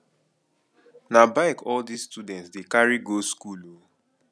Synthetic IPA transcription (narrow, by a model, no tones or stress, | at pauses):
nabaɪkʰɔldisstudɛ̃ntsdekaɹiɡoskulo